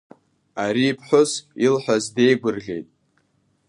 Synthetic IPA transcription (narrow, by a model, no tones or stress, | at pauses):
aɾiːpʰħʷʊzilħʷᶣazde̞jɡʷʊrɣʲe̞̰jtʼ